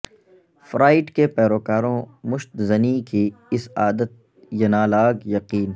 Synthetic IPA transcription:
fɾaːɪʈkepɛːɾoːkaːɾõmʊʃt̪zɐnikiɪsaːd̪ət̪̚ | jɐnaːlaːɡjɐqiːn

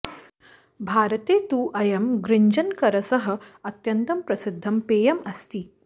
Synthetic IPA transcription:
bʱaːɾɐt̪eːt̪uːʔɐjɐmɡɾɪɲd͡ʒɐnkɐɾɐsɐɦɐ̆ɐt̪jɐnt̪ɐmpɾɐsɪd̪ʱːɐmpeːjɐmɐst̪i

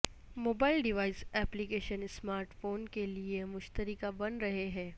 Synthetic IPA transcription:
moːbaːɪlɖɪʋaːɪsɛːplikeːʃənɪsmaːɾʈfoːnkeliemʊʃt̪əɾɪkabɐnɾɐɦeɦɛ̃ː

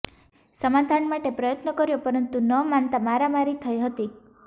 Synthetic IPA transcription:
səmad̪ʱanmaʈepɾʌjət̪nəkɔɾjopəɾənt̪unəmant̪amaɾamaɾit̪ʰəjɦət̪i

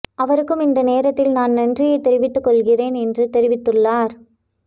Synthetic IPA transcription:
ʔɐʋɐɾɯkːɯmɪnd̪ɐneːɾɐt̪ːɪlnaːnnɐndrɪjɐɪt̪ːɛɾɪʋɪt̪ːɯkːɔɭɣɪreːnɛndrɯt̪ɛɾɪʋɪt̪ːɯɭːaːɾ

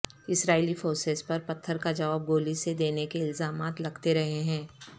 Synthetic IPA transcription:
ɪsɾaːilifoːɾsespɐɾpɐt̪ʰːəɾkad͡ʒɐʋaːb̚ɡoːlised̪eːnekeɪlzaːmaːt̪lɐɡt̪eɾɐɦeɦɛ̃ː

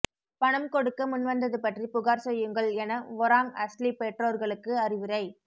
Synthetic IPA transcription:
pɐɳɐmkɔɽɯkːɐmʊnʋɐnd̪ɐðɯpɐʈripʊɣaːɾsɛjːɯŋɡɐɭɛnɐʋɔɾaːŋɐslipeʈroːɾɣɐɭɯkːɯɐrɪʋɪɾɐɪ

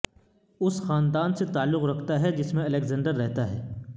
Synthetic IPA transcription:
ʊsxaːnd̪aːnset̪aːlːʊqɾɐkʰt̪aɦɛd͡ʒɪsmẽɐleːkzə̃ːɳɖəɾːɛɦt̪aɦɛː

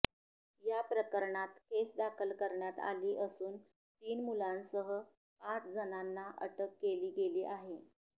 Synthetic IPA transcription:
japɾəkəɾɳat̪kesd̪akʰəlkəɾɳjat̪a̰liːʔəsuːn | t̪iːnmulãnsəɦə | pat͡sd͡zənanːaʔə̰ʈəkːeliːɡeliːʔaɦe

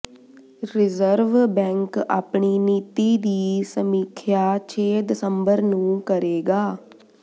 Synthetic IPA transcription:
ɾɪzəɾʋbɛ̃ːŋka̰ːpɳiːniːt̪iːd̪iːsəmiːkʰjaːt͡ʃʰeːd̪ɪsəmbəɾnũːkəɾeːɡaː

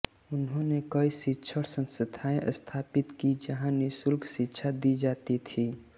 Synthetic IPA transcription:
ʊnɦõnekəisɪtːʃʰəɽsə̃nsət̪ʰaːẽʔə̰st̪ʰaːpɪt̪kid͡ʒəɦãnɪsʊlɡsɪtːʃʰad̪id͡ʒaːt̪it̪ʰiː

